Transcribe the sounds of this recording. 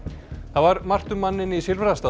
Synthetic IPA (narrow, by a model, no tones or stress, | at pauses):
θavaɾmar̥t̪ʏmanːɪnisɪlvɾast̪aː